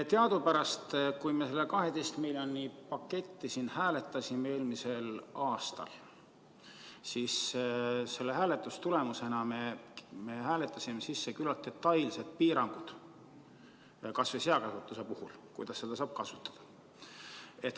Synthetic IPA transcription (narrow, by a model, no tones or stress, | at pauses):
t̪eɑd̪upæɾɑst̪kujmese̞lːekɑɦe̞d̪ejst̪milʲjonipɑkːe̞t̪ːisiːnhæːle̞t̪ːˑɑsʲimee̞ːlmise̞lɑːst̪ɑ̰l | sis | se̞lːehæːlet̪ːˑust̪ule̞muse̞nɑmeme̞hæːlet̪ːˑɑsʲime̞sisːekylɑlt̪̚ːe̞t̪ːɑjlse̞d̪̚piːɾɑŋɡ̥ud̪̥ | kɑsviseɑkɑsut̪ːˑuse̞puhulkujd̪̥ɑsːe̞d̪ɑsɑːb̥̚kɑsu̥t̪ːˑɑ̥d̪̥ɑ̥ | e̞t̪ː